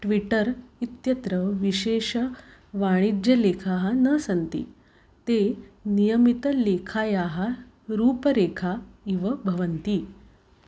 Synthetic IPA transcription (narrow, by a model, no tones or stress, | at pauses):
ʈʋiʈəɾit̪jət̪ɾəʋiɕeɕəʋaɽ̃id͡ʑjəlekʰaɦanəsənt̪ḭː | t̪enijəmit̪əlekʰajaɦa | ɾuːpəɾekʰaiʋəbʱəʋənt̪iː